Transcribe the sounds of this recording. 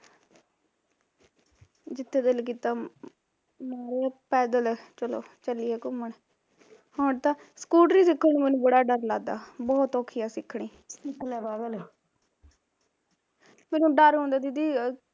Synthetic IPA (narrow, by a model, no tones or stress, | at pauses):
d͡ʒɪt̪ʰːeːd̪ɪlk̬iːt̪aː | mɛːɾepɛːd̪əlt͡ʃəlo̰ːt͡ʃəliːɛːkʊməɳ | hoːɳt̪ãːskuːʈɾiːsɪkʰːəɳ̃iːmɛːnũːbəɽaːɖəɾlaːd̪a̰ːbɔːt̪ɔːkʰijaːsɪkʰːɳiː | sɪkːlɛːbabɛlː | mɛːnũːɖəɾɦõːnd̪aːd̪id̪iː